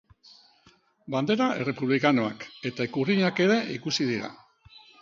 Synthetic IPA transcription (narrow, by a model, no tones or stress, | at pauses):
band̪e̞ɾae̞re̞puβlikano̞ake̞t̪aekuriɲake̞ɾe̞ʔikusið̞iɾa̰